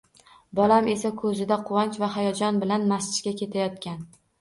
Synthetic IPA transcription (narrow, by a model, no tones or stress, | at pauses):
bɒlame̞sakʰɵzɪd̪aqʰʊwant͡ʃvaɦajɒd͡ʒɒnbɪlanmasɪ̥t͡ʃkʲakʲe̞t̪ʰajɒt̪̚kʲan